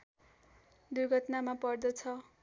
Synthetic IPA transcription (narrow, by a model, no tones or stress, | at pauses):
d̪urɡʱʌt̪namapʌrd̪ʌt͡sʰʌ